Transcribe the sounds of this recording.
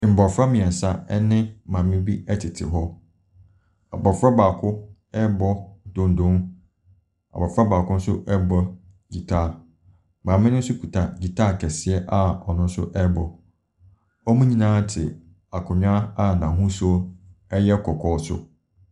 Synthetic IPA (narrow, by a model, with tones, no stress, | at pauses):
m̩˨bɔ˨fɾa˦mĩ˨ɛ˨sa˦ɛ˦nɪ̃˦mã˨mɪ̃˦bi˦ɛ˦tʰɪ˨tʰɪ̰˨ɦɔ˦ | a̰˨bɔ˨fɾa˦baː˨kʰʊ˦ | ɛ˦bɔ˦dʊ̃˦n˦dʊ̃˦n | a̰˨bɔ˨fɾa˦baː˨kʊ̃˦n̩˦sʊ̰˦ʔɛ˦bɔ˦ | d͡ʑi˨tʰaː˦˨ | mã˨mɪ̃˦nʊ̃˦sʊ˦kʰu˨tʰa˨d͡ʑi˨tʰaː˦˨kʰɛ˨sɪ˨ɛ˦ʔa˦ɔ˨nʊ̃˦n̩˦sʊ̰˦ʔɛ˦bɔ˨ | ɔ˦mũ˦ɲĩ˦nãː˦tʰɪ˨ | a˨kʰʊ˨ɲᶣ˦ã˦a˦nã˨ɦũ˦sɔ˦ɛ˦jɛ˦kʰɔ˨kʰɔː˦sʊ̰˦